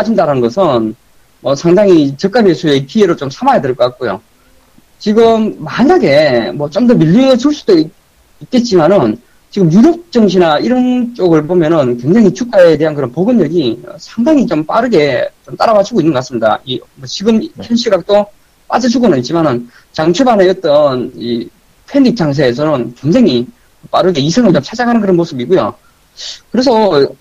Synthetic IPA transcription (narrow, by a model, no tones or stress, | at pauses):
ad͡ʑindaɾanɯnɡʌsʰɯn | mʌsʰaŋdaŋit͡ɕʌk͈abesʰuekieɾot͡ɕomsʰamajadɯɭk͈ʌk͈ak̚k͈ojo̰ | t͡ɕiɡɯmːaɲaɡe̞mwʌt͡ɕ͈omdʌmiʎːiŋɯɭt͡ɕuɭs͈u̥d̥oi | it̚k͈e̞t̚t͡ɕ͈imanɯn | t͡ɕiɡɯmjuɾok̚t͡ɕ͈ʌŋɕ̬ʰinaiɾʌnt͡ɕ͈oɡɯɭbomjʌnɯnkwe̞ŋd͡ʑaŋit͡ɕʰuk͈aete̞ɦankɯɾʌnpoɡɯnɲʌɡiʌ̰sʰaŋdaŋit͡ɕomp͈aɾɯɡe̞t͡ɕomt͈aɾabad͡ʑuɡoinːɯnɡʌkasɯmɲida̰imʌt͡ɕiɡɯmpʰjʌnɕʰiɡak̚t͈o | p͈a̰d͡ʑʌd͡ʑuɡonɯnit̚t͡ɕ͈imanɯn | t͡ɕaŋt͡ɕʰebaneʌt̚t͈ʌni | pʰenːik̚t͡ɕ͈ʰaŋs̬ʰeːs̬ʰʌnɯnkweŋd͡ʑaŋi | p͈aɾɯɡe̞isʰʌŋɯɭt͡ɕomt͡ɕʰad͡ʑakɦanɯnkɯɾʌnmosʰɯbik͈ujo | kɯɾe̞s̬ʰʌ